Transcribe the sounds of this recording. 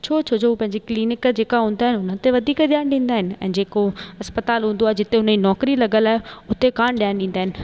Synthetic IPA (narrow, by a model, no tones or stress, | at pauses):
t͡ɕʰoːt͡ɕʰod͡ʑʰoːuːpɐ̃ɦɪ̃ɲ̆d͡ʑikliːnɪkd͡ʑeːkaɦũːnd̪aɦɪnɪʊnət̪eʋɐd̪ʱiːkd̪jaːnɗĩːn̆d̪aːɦɪnɪ̆ɛ̰̃ːd͡ʑeːkoɐspət̪aːlɦũːnd̪oaːɦed͡ʑɪt̪eɦʊnəd͡ʑinɔːkɾilɐɡəlaːɦeʊt̪ekaːɽ̃ɗijaːñɗĩːn̆d̪aːɦɪnɪ̆